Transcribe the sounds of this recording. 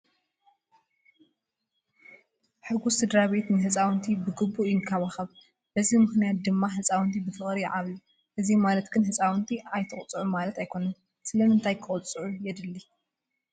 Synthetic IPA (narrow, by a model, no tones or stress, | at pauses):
ħɨɡusɨd̪ɾaβe̞t̪nɨɦɨt͡sʼawnt̪ʰibɨɡɨbːujɪnkʰaβaxɐβ | b̥ɐzimɨxnijat̪̚d̪ɨmːaɦɨt͡sʼawɨnt̪ʰibɨfʰɨχʼɾiʕaβli | ʔɨzimalɐt̪ɡɨnhɨt͡sʼawnt̪ʰiajt̪ʰɨχʼt͡sʼɨʕumalɐt̪ajkʰo̞nɐn | sɨlɐnɨnt̪ʰajkʰɨχʼʊt͡sʼɨʕujɛd̪ɨlːi